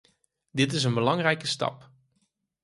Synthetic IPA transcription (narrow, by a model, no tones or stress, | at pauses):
dɪtɪs̬ənbəlɑŋrɛjkəstɑ̰p